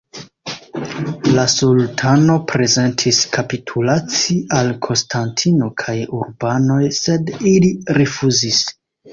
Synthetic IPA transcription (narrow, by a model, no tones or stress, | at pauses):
lasultʰano̞pɾe̞ze̞ntʰiskʰapitʰulat͡siʔalkʰo̞nstʰantʰino̞kʰajuɾbano̞jse̞diliɾifuzis